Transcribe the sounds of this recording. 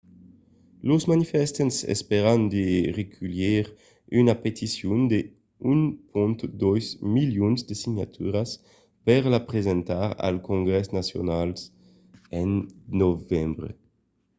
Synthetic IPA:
lozmanifɛst̪ɛnsḛspeɾand̪eʁekʰyljeɾ | ynapet̪isjund̪e | ynpʰunt̪d̪ɔjzmiljunzd̪esiɲat̪ʰyɾas | peɾlapʁezent̪aɾa̰lkoŋɡɾɛsnasjo̰nal | ɛnːovɛmbʁḛ

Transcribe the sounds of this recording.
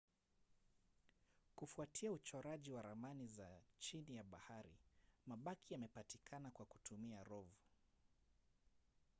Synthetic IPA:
kufuatʰiaut͡ʃɔɾaʄiwaɾamanizat͡ʃinijaɓahaɾḭmaɓakʰijamɛpatikʰanakwaku̥tʰumiaɾɔvu

